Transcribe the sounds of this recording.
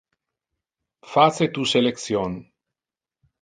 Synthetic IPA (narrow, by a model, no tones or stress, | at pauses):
fat͡set̪useleksjon